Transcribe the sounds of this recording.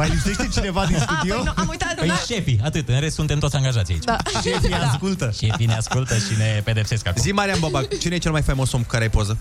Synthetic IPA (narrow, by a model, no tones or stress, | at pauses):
majlipse̞ʃt̪e̞t͡ʃine̞vad̪insud̪iomujt̪apjʃe̞fiat̪ɨt̪ɨnɾest̪sunt̪e̞mt̪osʲaŋɡaʒat̪siaḭt͡ʃʃefiaskult̪əʃefineaskult̪əʃine̞pe̞d̪e̞pse̞skazimaɾiambobat͡ʃinejet͡ʃelmajfajmo̞somkukaɾeajpozə